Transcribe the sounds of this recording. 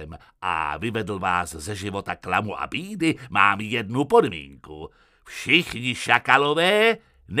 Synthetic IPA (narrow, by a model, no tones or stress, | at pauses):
m | ʔa̰vɪvɛdl̩vaːszɛʒɪvo̞t̪aklamuʔa̰biːdɪma̰ːmjɛdnupo̞dmḭːŋku | fʃɪxɲɪʃakalovɛː | n